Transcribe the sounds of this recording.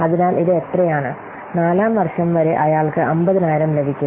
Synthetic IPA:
ɐðinaːlʔiðɨet̪rɐjaːɳɨ | naːlaːmʋɐrʂɐmʋɐɾe̞ʔɐjaːɭkɨʔɐmbɐðinaːjiɾɐmle̞bʱikʲːu

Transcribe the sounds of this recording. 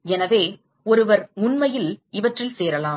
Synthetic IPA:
ɛnɐʋeː | ɔɾɯʋɐɾʊnmɐjɪlɪʋɐʈrɪlseːɾɐlaːm

